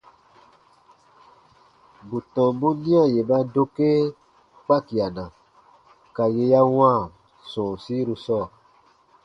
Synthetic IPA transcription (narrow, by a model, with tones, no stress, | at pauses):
bu˨tɔ̃˨bu˦nĩ˦ã˦˨je˨ba˦do˧ke˦ | k͡pa˦ki˨a˨nã˨ | ka˨je˧ja˦w̃ã˦˨ | sõ˨si˦ɾu˧sɔ˦˨